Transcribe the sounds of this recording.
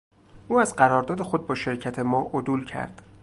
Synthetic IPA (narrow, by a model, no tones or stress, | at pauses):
ʔuːæzɢæɾɒːɾd̪ɒːd̪e̞xo̞d̪̚bɒːʃe̞ɾcʰæt̪ʰe̞mɒːʔod̪uːlcʰæ̰ɾd̪̥